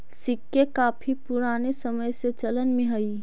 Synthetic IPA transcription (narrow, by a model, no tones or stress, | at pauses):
sɪkːekaːpʰipʊɾaːnesəməjset͡ʃələnmẽɦəi